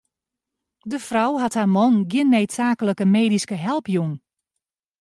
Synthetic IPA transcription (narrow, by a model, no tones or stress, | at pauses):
dəfrawɦathaːmɔnɡjɪnːeːtsaːkələkəmeːdiskəɦɛlˠpʰjuŋn